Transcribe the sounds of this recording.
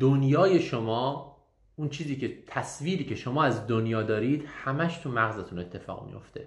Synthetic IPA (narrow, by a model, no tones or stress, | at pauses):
d̪̥onjɒːje̞ʃomɒː | unt͡ʃʰiːziːcʰe̞t̪ʰæsviːɾiːkcʰe̞ʃo̞mɒːæzd̪onjɒːd̪ɒːɾiːd̪hæmæʃt̪ʰumæɣzet̪ʰune̞t̪ʰːe̞fɒ̰ːɣmḭjo̞̰ft̪ʰe̞̰